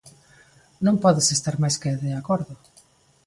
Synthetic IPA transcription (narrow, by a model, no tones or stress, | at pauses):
nõŋpɔðɪsest̪aɾmajskeðeakɔɾðʊ